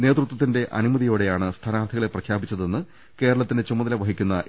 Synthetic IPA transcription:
ne̞ːt̪rut̪wɐt̪ːinde̞ʔɐ̰numɐðijoːɽe̞jaːɳɨst̪ʰaːnaːrt̪ʰiɣɐɭeprɐkʰjaːbit͡ɕːɐðe̞nːɨ | ke̞ːɾɐɭɐt̪ːinde̞t͡ɕumːɐðɐlɐʋɐɦikʲːunːɐ

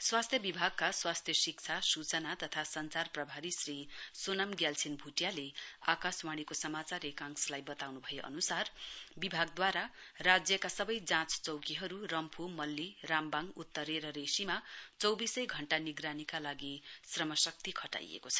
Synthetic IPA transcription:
swast̪ʰjʌbibʱaɡ̚kaswast̪ʰjʌsik̚t͡sʰasut͡sʌnat̪ʌt̪ʰasʌnt͡sarprʌbʱaɾisrisonamɡjalsʰinbʱuʈjalea̰kaswaɽ̃ikosʌmat͡saɾekãŋslajbʌt̪awnubʱʌjeʔʌ̰nusarbibʱaɡ̚d̪waɾarad͡zjʌkasʌbʌjd͡zãt͡st͡sʌwkiɦʌɾurʌmpʰumʌlːirambaŋut̪ːʌɾeɾʌɾesimat͡sʌwbisʌjɡʱʌɳʈaniɡɾanikalaɡisrʌmʌsʌk̚t̪ikʰʌʈa̰jḛkot͡sʰʌ̥

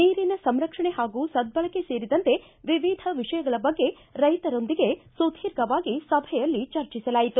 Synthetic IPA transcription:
neːɾinɐsɐmɾɐkʂɐɳehaːɡuːsɐd̪̚bɐɭɐke̞se̞ːɾid̪ɐnt̪e̞ | ʋiʋid̪ʱɐʋiʂɐjɐɡɐɭɐbɐɡːe̞ | ɾɐjt̪ɐɾo̞nd̪iɡe̞sud̪ʱiːɾɡɐʋaːɡisɐbʱɛjɐlːit͡ʃɐɾt͡ʃisɐlaːjit̪u

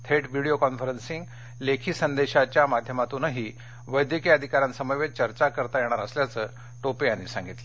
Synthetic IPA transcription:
t̪ʰeʈʋiɽiokɔnfəɾənsiŋɡ | lekʰiːsənd̪eɕat͡ɕjamad̪ʱjəmat̪ũnəɦiː | ʋəjd̪ʱjəkiəd̪ʱikaɾjãnsəməjʋet͡ɕəɾt͡ɕakəɾt̪ajɛɽ̃aɾəsljat͡səː | ʈopejanːisãŋɡit̪lə

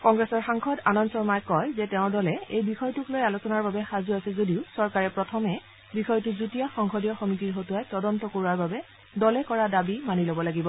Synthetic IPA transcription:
kɔŋɡɹɛsɔɹxaŋxʰɔdanɔnsɔɹmajkɔjzɛtɛʊ̃ɹdɔlɛejbixɔjtuklojalosɔnaɹbabɛxazuasɛzodiʊsɔɹkaɹɛpɹɔtʰɔmɛ | bixɔjtʊzutijaxɔŋxʰɔdijɔxomitiɹɦotuajtɔdɔntɔkoɹuaɹbabɛ | dɔlɛkɔɹadabimanilobɔlaɡibɔ

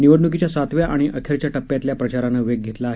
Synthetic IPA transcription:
niʋəɽɳuk̬it͡ɕjasat̪ʋjaʔaɽ̃iʔəkʰeɾt͡ɕjaʈəpːjat̪ljapɾət͡ɕaɾanəʋeɡ̚ɡʱet̪laːɦe

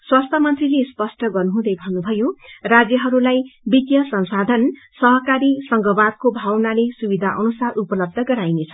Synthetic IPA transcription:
swast̪ʰjʌmʌnt̪rilespʌsʈʌɡʌrnuɦũd̪ʌjbʱʌnːubʱʌjorad͡zjʌɦʌɾulajbit̪jʌsʌnsad̪ʱʌn | sʌɦʌkaɾisʌŋɡʌbarkobʱawnalesubid̪ʱaʔʌnusarupʌlʌb̚d̪ʱʌɡʌɾajnet͡sʰʌ̥

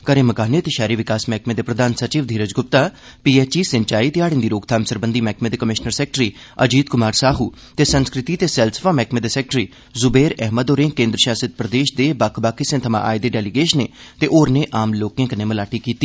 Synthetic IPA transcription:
kəɾẽːməkaːneːt̪eːʃɛːɾiːʋɪkaːsmɛːkʰmeːd̪eːpɾəd̪ʱaːnsət͡ʃiːʋd̪ʱiːɾəd͡ʒɡʊp̚t̪aː | piːɛːt͡ʃiːsəɲt͡ʃaːiːt̪ɪaːɽɪ̃nd̪iːɾoːɡt̪ʰaːmsəɾbənd̪iːmɛːkʰmẽːd̪eːkəmɪʃnəɾsɛːk̚ʈɾiː | əd͡ʒiːd̪̚kʊmaːɾsaːɦuː | t̪eːsənskɾɪt̪iːt̪eːsɛːlsə̥faːmɛːkʰmẽːd̪eːsɛːk̚ʈɾiː | zʊbeːɾɛɦməd̪oːɾẽːkẽːnd̪ɾəʃaːsət̪̚pɾəd̪eːʃd̪eːbakʰbaːkisẽːt̪ʰəmã̰ːʔa̰ːjd̪eːɖɛːliɡeːʃəneːt̪eːʔoːɾneːʔaːmloːkːjãːkəneːməlaːʈiːkiːt̪iː

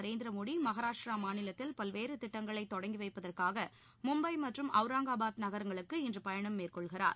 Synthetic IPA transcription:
ɾeːnd̪ɪɾɐmoːɽimɐɣɐɾaːʂʈɾaːmaːnɪlɐt̪ːɪlpɐlʋeːɾɯt̪ɪʈːɐŋɡɐɭɐɪt̪ːɔɽɐŋɡiʋɐɪpːɐðɐrkaːɣɐ | mʊmbɐɪmɐʈrɯmʔɐʋɯɾaːŋɡaːbaːt̪nɐɣɐɾɐŋɡɐɭɯkːɯɪndrɯpɐjɐɳɐmːeːrkɔɭɣɪra̰ːɾ

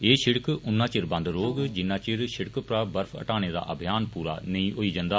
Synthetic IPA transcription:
eːʃɪɽkʊnːãːt͡ʃɪɾbə̃nd̪ɾoːɡd͡ʒɪnːãːt͡ʃɪɾʃɪɽkpɾaːbəɾpʰə̰ʈaːneːd̪a̰ːʔəbʱijaːnpuːɾa̰ːnəiĩːɦoːiːd͡ʒənd̪aː

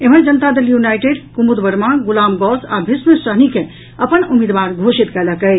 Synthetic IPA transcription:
em̤ənd͡ʒənət̪ad̪eljunajʈeɖkumud̪bəɾmaɡulamɡɔsa̰bʱismsəɦnike | əpənumid̪ʋaɾɡʱosit̪kɛləkə

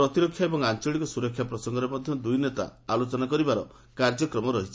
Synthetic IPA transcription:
ɾɔt̪iɾɔkʰjaebɔŋant͡ʃɔɭikɔsuɾɔkʰjapɾɔsɔŋɡɔɾemɔd̪ʱjɔd̪ujnet̪a̰alot͡ʃɔnakɔɾibaɾɔ | kaɾd͡ʒɔkɾɔmɔɾɔɦit͡ʃʰi̥

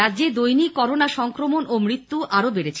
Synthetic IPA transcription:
aːd͡ʑeɾd̪ojnikɔɾonaʃɔŋkɾomonʔomɾit̪ːuʔaɾobeɾet͡ɕʰ

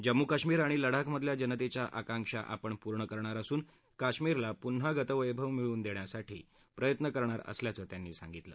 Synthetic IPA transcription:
d͡ʑəmːukaɕmiːɾaɽ̃iləɽ̤akməd̪ʱljad͡ʑənət̪et͡ɕjaʔakãŋkʂa̰ʔa̰pəɳpuɾɳəkəɾɳ̃aɾəsuːn | kaɕmiɾlapunɦaɡʱət̪əʋəjbʱəʋmiɭuːnd̪eɳjasaʈʰḭː | pɾəjət̪nəkəɾɳ̃aɾə̰sljat͡səːt̪janːiːsa̰ŋɡit̪lə̰ː

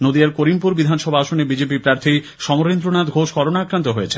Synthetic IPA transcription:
nod̪iaɾkoɾimpuɾbid̪ʱanʃɔbʱaaʃonebid͡ʑepipɾaɾt̪ʰi | ʃɔmoɾend̪ɾonad̪ɡʱoʃkɔɾonaakɾant̪oɦojet͡ɕʰe

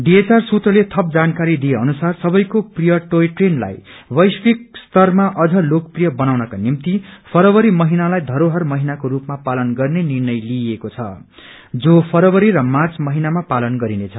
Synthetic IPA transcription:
ɖiet͡sarsut̪rʌlet̪ʰʌp̚d͡zankaɾid̪ieʌnusarsʌbʌjkoprijʌʈoeʈrenla̰jwʌjsbik̚st̪ʌrmaʔʌd͡zʌlokprijʌbʌnawnʌkanimt̪ipʰʌɾʌwʌɾimʌɦinalajd̪ʱʌɾoɦʌrmʌɦinakoɾupmapalʌnɡʌrnenirnʌjliekot͡sʰʌ̰ | d͡zopʰʌɾʌwʌɾiɾʌmat͡smʌɦinamapalʌnɡʌɾinet͡sʰʌ

